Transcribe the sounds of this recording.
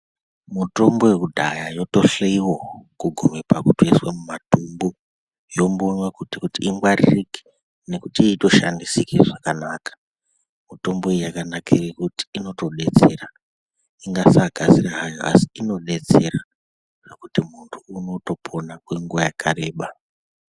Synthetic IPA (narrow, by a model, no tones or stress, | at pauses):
muto̞mbo̞wekudʱajajo̞to̞ɬeiwokuɡʱumepakutueswamumatumbo | jo̞mbonwakutikutiːŋɡwaririki̥ | ne̞kutieito̞ʃa̰ndisikeʐakanakḁ | muto̞mboejjakanakʰirekuti̥ino̞to̞ɗe̞t͡se̞ra | iŋɡasaɡʱaziraɦajo̰a̰si̥ino̞ɗe̞t͡se̞ra | nekutimuntʰuːno̞to̞pʰo̞nakweŋɡuʋajakʰaɾe̞ːɓa